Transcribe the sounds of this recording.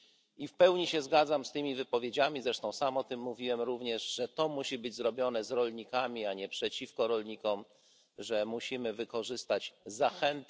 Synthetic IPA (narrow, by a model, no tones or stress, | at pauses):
ifpɛwɲiɕɛzɡad̪zamst̪ɘmʲivɘpɔvʲjed͡ʑamʲizɾɛʂt̪ɔ̃w̃samɔt̪ɘmːuvʲiwɛmɾuvɲɛʐʐɛt̪ɔmuɕibɘd͡ʑzɾɔbʲjɔnɛzɾɔlɲikamʲiaɲɛpʂɛt͡ɕifkɔɾɔlɲikɔm | ʐɛmuɕimɘvɘkɔʐɘst̪ad͡ʑzaxɛnt̪